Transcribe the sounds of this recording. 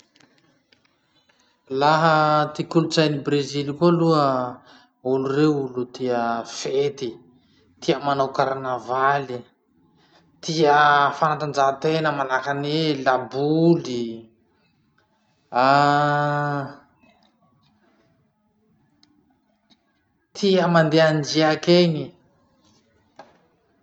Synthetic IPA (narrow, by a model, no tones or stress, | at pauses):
laɦət̪ikulut͡sajnibrezilikoluə | ulureulut̪iəfet̪i | t̪iəmanawkaɾnavali | t̪iəfanat̪and͡ʒat̪enəmalakanelabuli | a | t̪ʰiəmand̪eand͡ʒiakeni